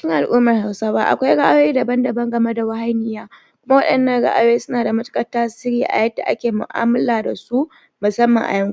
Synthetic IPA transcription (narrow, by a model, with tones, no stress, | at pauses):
kɪ˦ŋʔa˨lʔuː˦mɐ˨rha˨wsaː˦ba˦ʔa̰˨kʷa˦jɽa˦ʔa˦jeː˦da˨bɐ˦ndɐ˨bɐ˦ŋɡɐ˨me˦da˨wɐ˦ha˦jnɪ˦jaː˦ | kʷʊ˦ma˦wɐ˦ɗɐ˨nːɐ˦ŋɽa̰˦ʔa˦jjeː˦sʊ˦naː˨da˨mʊ˦tkʼɐ˦tːaː˦sɪ˦ɽiː˦ʔa̰˨jɐ˦da̰˨ʔa˦kʲeː˨mʊ̰˨ʔa̰ː˦mɐ˦laː˨da˨su˦ | mʊ˨sɐ˦mːɐ˨ŋʔa̰˨jɐ˦ŋu˦